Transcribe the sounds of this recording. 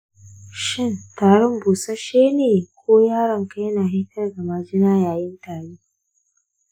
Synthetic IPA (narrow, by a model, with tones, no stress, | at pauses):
ʃɪ˦˨ntaː˨ɽɔ˦mbuː˨sa˦ʃeː˦neː˨kʷoː˦jaː˦ɽɐ˨ŋka˦jna˨hɪ˦kɐ˦rɡa˨ma˨d͡ʒɪ˦naː˦jaː˨jɪ˦ntaː˨ɽiː˦